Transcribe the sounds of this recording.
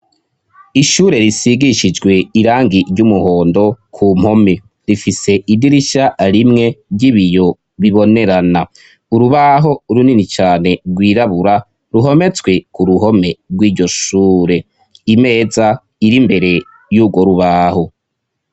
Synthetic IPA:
iʃuːɾe̞ɾisiɡiʃid͡ʒɡwe̞iɾaːŋɡiɾɟumuho̞ːndo̞kʰum̥ho̞me | ɾifise̞ʔidiɾiʃaɾimŋe̞bɟiβijo̞ | βiβo̞ne̞ɾana | uɾuβaɦo̞uɾuninit͡ʃaːne̞ɡwiːɾaβuɾa | ɾuɦo̞me̞t͡swe̞kuɾuɦo̞me̞ɾɡwiːɟo̞ʃuːɾe̞ | ime̞ːza | iɾimbe̞ɾe̞ | juɡwo̞ɾuβaːho̞

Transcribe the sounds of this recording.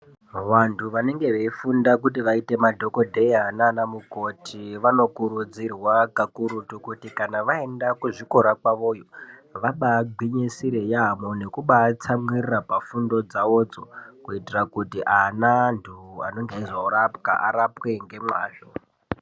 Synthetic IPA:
ʋantʰuʋane̞ŋɡe̞ʋeifundakut̬iʋaite̞madʱo̞ko̞dʱeiananamuko̞tʰiʋano̞kuɾud͡zirwakakuɾutukutikanaʋae̞ndakuʐiko̞ɾakwaʋo̞ːjoʋaɓaːɡ͡bʱiɲesiɾejaːmone̞kuɓaːt͡samwirirapafundo̞d͡zao̞d͡zokuitirakutiʔanantʰua̰no̞ŋɡeizouɾap̚ka̰ʔaɾapwe̞ŋɡe̞mwa̰ːʃo

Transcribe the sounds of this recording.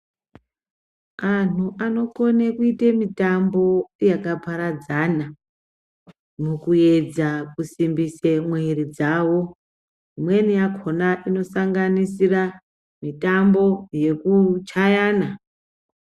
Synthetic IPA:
an̤uʔano̞ko̞nekuitemitambo̞jakapaɾad͡zana | mukue̞d͡zakusimbisemwe̞rid͡zawo̞ | imwe̞nijakʰonaʔino̞saŋɡanisira | mitambo̞je̞kut͡ʃajaːna

